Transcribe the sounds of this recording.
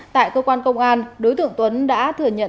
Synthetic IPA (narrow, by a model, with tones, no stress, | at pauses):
t̪a̰ː˧˨jkəː˧kwaː˧nkə˧wŋ͡mʔaː˧nɗo˨˦jt̪ɨ̰˧˨əŋt̪wə˨˦nɗa̰ː˧˥t̪ʰɨ˧˩əɲə̰˧˨